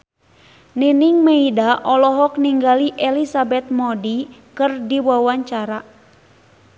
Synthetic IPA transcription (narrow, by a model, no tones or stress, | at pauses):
niniŋmeidaʔɔlɔɦɔkniŋɡaliʔɛlisabɛt̪̚mɔdikɨrdiwawaɲt͡ʃaɾa